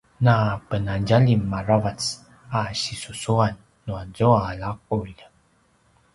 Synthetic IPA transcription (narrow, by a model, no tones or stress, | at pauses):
napənanɟaʎimːaravat͡s | aɕisusuanː | uazoalak̚ul